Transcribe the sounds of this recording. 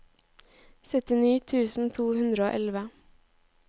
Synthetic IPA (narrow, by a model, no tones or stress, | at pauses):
sœt̪ɪniːt̪ʰʉːsn̩t̪ʰuːhʉnd̪ɾəo̰ːʔɛlʋə